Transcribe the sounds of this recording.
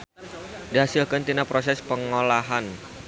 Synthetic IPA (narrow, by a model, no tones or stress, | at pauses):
d̥iɦasɪlkənt̪inapɾos̬ɛspəŋolaɦan